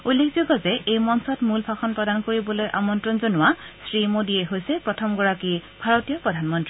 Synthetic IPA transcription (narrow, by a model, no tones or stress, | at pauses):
ulːekʰzuɡʱɔzɛejmɔnsɔtmulbʱaxɔnpɹɔdankoɹibɔlojʔa̰mɔntɹɔnzonʊwasɹimodiɛɦojsɛpɹɔtʰɔmɡɔɹakibʱaɹotijɔpɹɔdʱanmɔntɹi